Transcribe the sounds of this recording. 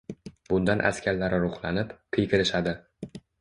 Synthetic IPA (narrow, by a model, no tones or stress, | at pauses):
bʊnd̪anʔa̰skʲʰaɾlaɾɪɾʊχlˠanɪpkʰejkʲʰɪɾɪʃad̪ɪ